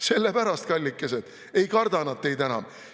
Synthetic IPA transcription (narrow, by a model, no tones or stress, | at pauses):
se̞lːepæɾɑst̪̚kɑlʲːikːˑesed̪̥ | e̞jkɑrd̪̥ɑnɑd̪̚t̪ːe̞jd̪ænɑ̰m